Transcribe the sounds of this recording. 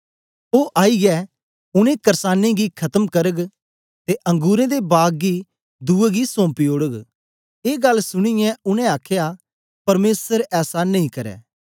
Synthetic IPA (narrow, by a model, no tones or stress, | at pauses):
oːʔaːiɡɛ | ʊñẽkɐɾsaːnːẽɡikʰɐt̪əmkɐɾəɡ | t̪eʔɐ̃ŋɡuːɾẽd̪ebaːɡɡi | d̪uːeɡisõːmpioːɽəɡ | eːɡɐlːsʊɽ̃ɪjɛ̃ʊnɛ̃aːkʰja | pɐɾmeːsəɾɛːsanɐĩkɐɾɛ̰ː